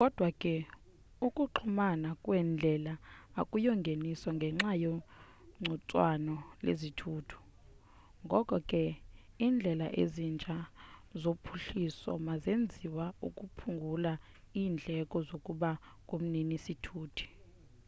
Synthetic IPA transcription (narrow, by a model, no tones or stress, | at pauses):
kʼɔd̥ʱwakʼɛ | ukʼuǃʰumanakʼwɛnd͡ɮʱɛla̰ːkʼujɔŋɡʱenisɔŋɡʱɛŋ͡ǁajo | ŋ͡ǀʱut͡sʼwanɔlḛzitʰuːtʰu̥ | ŋɡʱɔkʼɔkʼɛ | iːnd͡ɮʱɛlaʔḛzint͡ʃʼazopʰuɬisɔ̰mazend͡zʱiwaukʼupʰuŋɡʱula | iːnd͡ɮʱɛkʼɔzokʼuɓakʼum̩ninisitʰuːtʰi̥